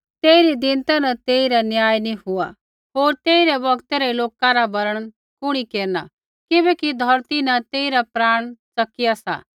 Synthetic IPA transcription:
t̪eːiɾid̪ɪ̃nt̪anɐt̪eːiɾanjaːjniɦʊa̰ | ɦoːɾt̪eːiɾɛbɐɡt̪eɾɛloːkaɾabɐɾəɽ̃ | kʊɽ̃ikeːɾna̰ | kɪbɛkid̪ʱɐɾt̪inɐt̪eːiɾapɾaːɽ̃t͡sɐkɪjasa̰

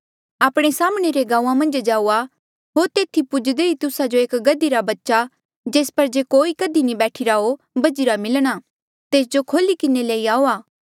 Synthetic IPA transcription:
aːpɽ̃esaːmɽ̃eɾeɡãːãmɐ̃nd͡ʒd͡ʒaːua | ɦoːɾt̪eːt̪ʰipʊd͡ʒd̪eit̪ʊsad͡ʒoeːkɡɐd̪iɾabɐtːʃa | d͡ʒeːspɐɾd͡ʒekoːikɐd̪inibɛːʈʰiɾaɦo | bɐd͡ʒiɾamɪlɽ̃a | t̪eːs̬d͡ʒokʰoːlikɪneleːiaːoaː

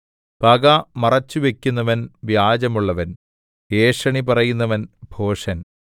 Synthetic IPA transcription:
pɐɡamɐrɐt͡ɕːuʋe̞kʲːunːɐʋɐnʋjaːd͡ʑɐmuɭːɐʋɐn | eːʂɐɳipɐrɐjunːɐʋɐnbʱo̞ːʂɐn

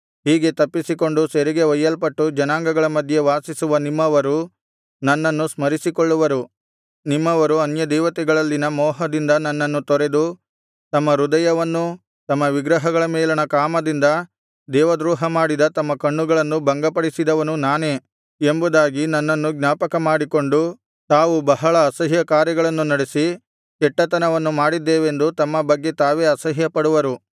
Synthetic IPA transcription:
ɦiːɡe̞t̪ɐpːisiko̞ɳɖuseɾiɡe̞ʋɐjːɐlpɐʈːud͡ʒɐnaːŋɡɐɡɐɭɐmɐd̪ʱje̞ʋaːsisuʋɐnimːɐʋɐɾu | nɐnːɐnːusmɐɾisikoɭːuʋɐɾu | nimːɐʋɐɾuɐnjɐd̪ɛːʋɐt̪ɛɡɐɭɐlːinɐmɔːɦɐd̪ind̪ɐnɐnːɐnːut̪ɔɾe̞d̪u | t̪ɐmːɐɾud̪ɐjɐʋɐnːu | t̪ɐmːɐʋiɡɾɐɦɐɡɐɭɐmɛːlɐnɐkaːmɐd̪ind̪ɐ | d̪ɛːʋɐd̪ɾuːɦɐmaːɽid̪ɐt̪ɐmːɐkɐɳːuɡɐɭɐnːubɐŋɡɐpɐɽisid̪ɐʋɐnunaːneː | embud̪aːɡinɐnːɐnːuɡnjaːpɐkɐmaːɽiko̞ɳɖu | t̪aːʋubɐɦɐɭɐːsɐɦjɐkaːɾjɐɡɐɭɐnːunɐɽesi | kɛʈːɐt̪ɐnɐʋɐnːumaːɽid̪ːeːʋe̞nd̪ut̪ɐmːɐbɐɡːe̞t̪aːʋe̞ːɐsɐɦjɐpɐɽuʋɐɾu

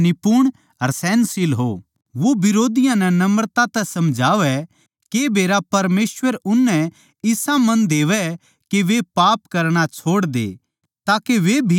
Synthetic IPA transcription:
nɪpuɽ̃ | ɐɾsɛ̃ːnsɪlɦo̰ | ʋoʋɪɾoːd̪ɪjãnɛnɐməɾt̪ãt̪ɛsɐmd͡ʒʱaːʋɛ | kebeːɾapɐɾmeːswəɾʊnːɛ̃ | ɪsãmɐ̃nd̪eːʋɛ | keʋepaːpkɐɾɽ̃at͡ʃʰoːɽd̪ḛː | t̪aːkeʋebʱi

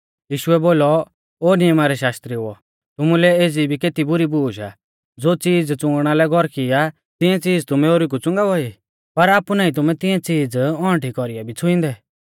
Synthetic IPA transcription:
jiːʃʊɛboːlɔ | oːnijmaɾɛʃaːst̪ɾiɦʊɔ̰ | t̪ʊmũlɛeːd͡zibʱikeːt̪ibʊɾibuːʃa̰ | d͡zoːt͡siːd͡zt͡sʊ̃ŋɡɽ̃alɛɡʱɔɾkɪja | t̪ɪãt͡siːd͡zt̪ʊmɛ̃oːɾik̬ut͡sʊ̃ŋɡaʋɔi | pɐɾaːpunaːĩt̪̬ʊmɛ̃t̪ɪ̃ãt͡siːd͡zɔ̃ːʈikɔɾijabʱit͡sʰʊɪ̃nd̪ɛ

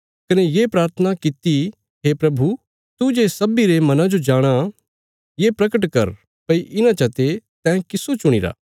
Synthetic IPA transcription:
kɐnejeːpɾaːɾt̪ʰənakɪt̪i | ɦepɾɐbʱu | t̪ud͡ʒeːsɐbiɾemɐnãd͡ʒod͡ʒaːɽ̃a | jepɾɐkəʈ̬kɐ̰ɾ | pɐiʔɪnãt͡ʃɐt̪et̪ɛ̃ːkɪsot͡ʃʊɽ̃iɾa̰ː

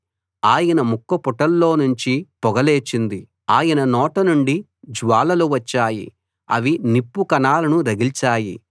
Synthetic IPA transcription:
aːjɐnɐmukːɐpɔʈɐlːo̞ːnuɲt͡ʃipɔɡɐleːt͡ʃind̪i | aːjɐnɐnɔːʈɐnuɳɖi | d͡ʒʋaːlɐluʋɐt͡ʃːaːjḭ | ɐ̰ʋinipːukɐnaːlɐnuɾɐɡilt͡ʃaːjḭ

